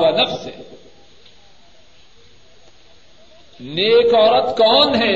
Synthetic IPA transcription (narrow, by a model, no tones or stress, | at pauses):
ʋanɐfzɦɛ̰ | neːkɔːɾət̪kɔːnɦɛ